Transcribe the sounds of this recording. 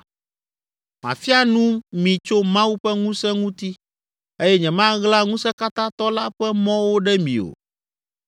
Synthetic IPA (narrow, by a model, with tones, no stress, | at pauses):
mã̰˨fi˦a˦nũ˦mĩ˨t͡ʃo˦mã˦wu˦ɸɛ˦ŋũ˦sɛ˦ŋũ˦t̪i˦ | e˦jɛ˦ɲɛ̃˨mã˦ɣla˦ŋũ˦sɛ˦ka˦t̪ã˦t̪ɔ˦la˦ɸɛ˦mɔ̃˦wo˦ɖɛ˦mḭ̃˨o̰˨